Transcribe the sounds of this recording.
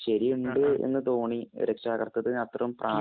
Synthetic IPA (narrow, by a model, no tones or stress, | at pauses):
ɕɐɾiuɳɖɨḛnːɨt̪o̞ːɳḭɾekʂaːɣɐrt̪ːɐðɨɐt̪rɐumprʔaː